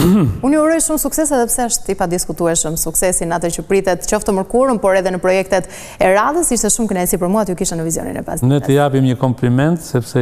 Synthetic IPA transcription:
unuɾɔjʃumsuksɛs̬ɛðɛpsɛəʃt̪ipad̪iskut̪uɛʃəmsuksɛsinat̪ɛt͡ɕəpɾit̪ɛt̪t͡ɕɔft̪əməɾkuɾəmpɔɾɛðɛnəpɾɔjɛk̚t̪ɛt̪ | ɛɾaðəsiʃt̪ɛʃumkənajsipəɾmuat̪jukiʃt̪ɛnəvizjɔ̰nḭnɛ̰pa̰sinɛt̪əjapimɲəkɔmplimɛnt̪sɛpsɛ

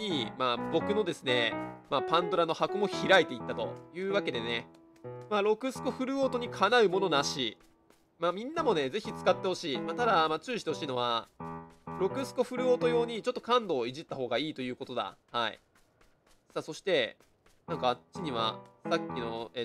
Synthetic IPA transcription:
imabo̞kɯ̟no̞d̪e̞sɨne̞mapãnd̪o̞ɾano̞hakomo̞çiɾait̪e̞it̪ːat̪o̞̰jɯ̟ːβake̞d̪e̞ne̞ | maɾo̞kɯ̟sɨ̥ko̞ɸɯ̟ɾɯ̟oːt̪oɲ̟ikʰanaɯ̟mo̞no̞naɕi | mamʲĩnːamo̞ne̞d͡ze̞çit͡sɨ̥kat̪ːe̞ho̞ɕiːmaːt̪ad̪amat͡ɕɨːiɕi̥t̪eo̞ɕiːno̞βa | ɾo̞kɯ̟sɨ̥ko̞ɸɯ̟ɾɯ̟o̞ːt̪o̞jo̞ːɲ̟it͡ɕo̞t̪ːo̞kãnd̪o̞ːiʑit̪ːaho̞ːɡaiːt̪o̞jɯ̟ːko̞t̪o̞d̪a̰haḭ | sasoɕi̥t̪e̞ | nãŋkaːt͡ɕiɲ̟iβa̰sakʲːino̞e

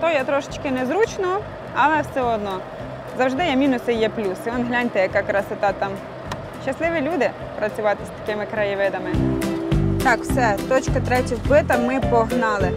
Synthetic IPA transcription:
t̪ɔjɛt̪ɾɔʃɪ̥t͡ʃkɪnɛzɾut͡ʃnɔɔ | ɐlˠɛsʲɔɔd̪nɔ | zɐwʐd̪ɪjɛmʲinʊsɪjɛplʲusɪɔnɦlʲanʲt̪ɪjɐkɑkɾɑsɪt̪ɑt̪ɑm | ʃɐslˠɪʋʲilʲud̪ɪ | pɾɐt͡sʲʊʋɑt̪ɪst̪ɐ̥kɪmɪkɾɐjɪʋɪd̪ɐmɪ | t̪ɑkwsɛt̪ɔt͡ʃkɐt̪ɾɛtʲɪxbɪt̪ɐmɪpɔɦnɑlˠɪ

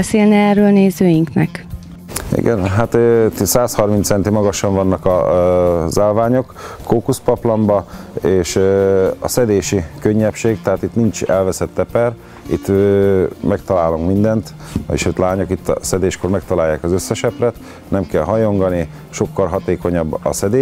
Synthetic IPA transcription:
ɛseːlnɛɛrøːlneːzøːjiŋknɛk | ḭɡɛ̰nɦat̪ːsaːshɒrmint̪sɛnt̪imɒɡɒʃɒɱvɒnːɒkɒ | zaːlvaːɲo̞kːoːkuspɒplɒmbɒeːʃ | ɒ̰sɛd̪eːʃikøɲːɛpʃeːɡt̪ɛɦaːt̪it̪nint͡ʃɛlvɛsɛt̪ːɛpɛr | ḭt̪ː | mɛkt̪ɒlaːloŋkmind̪ɛnt̪ | ḭʃøːt̪laːɲokit̪ːsɛd̪eːʃkoːrmɛkt̪ɒlaːjːa̰ːkɒzøsːɛʃɛprɛt̪ | nɛmkɛlɦɒjo̞ŋɡɒni | ʃo̞kːɒrɦɒt̪eːkoɲɒbːɒ̰sɛd̪eː

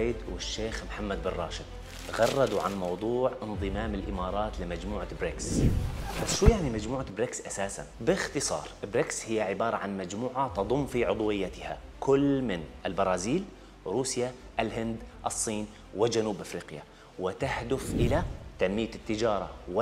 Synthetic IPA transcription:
jɪd̪wɪʃːeːxmħamːad̪̚bɪrˤːɑ̰ːʃɪd̪̚ | ɣɑrˤːɑd̪uʕa̰nmɑwd̪ˤuːʕʔɪnðˤɨmaːmɪlʔɪmɑːɾˤɑːt̪lɪmad͡ʒmuːʕabɾɪksbasʃuːjaʕnimad͡ʒmuːʕabɾɪksʔasaːsa̰nbɪxt̪ɨsˤɑ̰ːɾˤʔɪbɾɪkshɪjːaʕɪbɑːɾˤɑʕanmad͡ʒmuːʕat̪ɑðˤʊmːfiʕʊd̪ˤwɪjːat̪ɪha̰kʊlːmɪnɪlbɑɾˤɑːziːl | ɾuːsja | ʔlɦɪnd̪ʔɑsˤːiːn | wɪd͡ʒanuːbʔafɾiːqja̰ | wɪt̪ahd̪ʊfʔɪlat̪anmɪjːat̪ːɪd͡ʒɑːɾˤɑwɪ

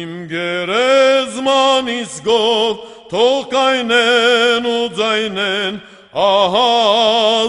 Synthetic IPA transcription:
imɡɛɾɛzmɑnisɡɔv | t̪ʰɔʁkɑjnɛnud͡zɑjnɛn | ɑɦɑ

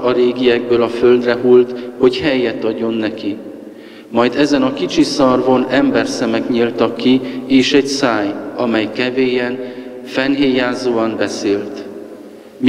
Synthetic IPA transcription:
ɒɾeːɡijɛɡ̚bøːlɒføld̪rɛɦuːlt̪ho̞chɛjːɛt̪ːɒɟːo̞nːɛki | mɒjd̪ɛzɛnɒkit͡ʃisɒrvo̞nɛmbɛrsɛmɛkɲilt̪ɒkːieːʃɛɟsaːjɒmɛjkɛveːjɛn | fɛnɦeːjaːzoːɒnbɛseːlt̪ | m

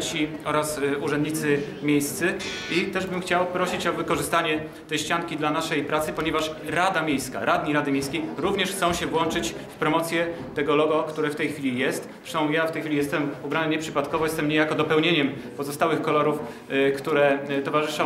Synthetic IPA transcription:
t͡ɕiɔɾasuʐɛnd̪ɲit̪sɘ | mʲjejst̪sɘ | it̪ɛʐbɘmxt͡ɕawpɾɔɕit͡ɕɔvɘkɔʐɘst̪aɲɛ | t̪ɛjɕt͡ɕaŋkʲid̪lanaʂɛjpɾat̪sɘpɔɲɛvaʂɾad̪amʲjejska̰ɾʔad̪ɲiɾad̪ɘmʲjejskʲejɾuvɲɛʂxt̪sɔ̃w̃ɕɛvwɔnt͡ʂɘt͡ɕfpɾɔmɔt̪sʲjɛ | t̪ɛɡɔlɔɡɔkt̪uɾɛft̪ɛjxfʲilʲijɛst̪ | sɔ̃w̃jaft̪ɛjxfʲilʲijɛst̪ɛmubɾanɘɲɛpʂɘpat̪kɔvɔjɛst̪ɛmɲejakɔd̪ɔpɛwɲeɲɛm | pɔzɔst̪awɘxkɔlɔɾuf | kt̪uɾɛt̪ɔvaʐɘʂɔ̃

